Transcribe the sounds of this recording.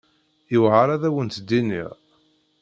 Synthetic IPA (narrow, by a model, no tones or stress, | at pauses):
əwʕaɾæðæwənt̪d̪inḭʁ